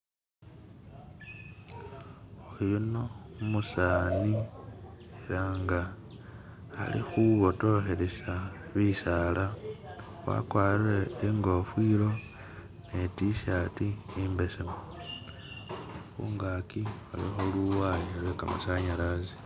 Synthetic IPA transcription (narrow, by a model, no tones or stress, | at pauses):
ojunoumusaːni | eɾaŋɡa | lḭxuβo̞to̞xeɾesaβisaːlʔa | wa̰kwaːriɾeeŋɡo̞fwiːlo̞ | netiʃatiimbesemo | xṵːŋɡaːkia̰lḭxoluwajelweka̰ma̰saɲalazi̥